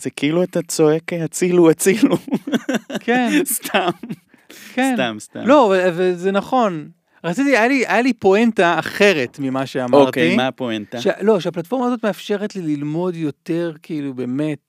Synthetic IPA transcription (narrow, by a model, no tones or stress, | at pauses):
z̥ekiiluatat͡soekeat͡siluat͡silu | kʰenst̪ʰam | kʰent̪amsta̰lo̞vavezenaχo̞n | ʁat͡sitiajaliʔajalipo̞entaːχe̞ʁe̞tmimaʃeamoaʁkimapoentaʃelo̞ʃeaplatfo̞ʁmaːzo̞tmeafʃe̞ʁetlililmo̞djo̞te̞ʁkiilube̞me̞t